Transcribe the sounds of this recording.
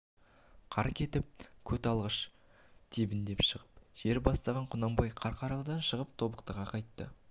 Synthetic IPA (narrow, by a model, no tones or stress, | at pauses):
qʰɑɾkʲʰe̞t̪ɪp̚kʲʰɵt̪ɑlˠʁəʃ | t̪ʰibɪnd̪e̞pʃəʁəpʒ̥e̞ɾbɑst̪ɑʁɑɴqʰʊnɑmbɑjqʰɑɾqʰɑɾɑlˠd̪ɑnʃəʁəp̚t̪ʰo̞bəqt̪əʁɑqʰɑjt̪ːə